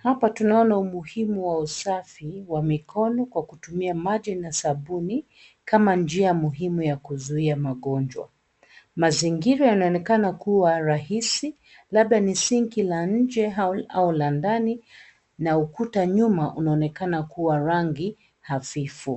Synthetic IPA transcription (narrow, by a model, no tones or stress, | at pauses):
hapatunaɔnaumuhimuwausafiwamikʰɔnɔkwakutumiamaʄinasaɓuni | kamand͡ʒiamuɦimujakuzuiamaɠɔnd͡ʒwa̰ | maziŋɡiɾajanaɔnɛkanakuwaɾahisi | laɓɗanisiŋkilaɲ̩d͡ʒɛaulandani | naukutaɲumaʔunaɔnɛkanakuwaɾaŋɡi | hafifu